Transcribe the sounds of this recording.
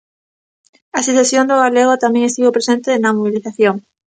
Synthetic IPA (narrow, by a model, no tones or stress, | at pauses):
aseθesjond̪ʊɣaleɣot̪amẽŋest̪iβopɾesent̪enɐmoβiliθaθjoŋ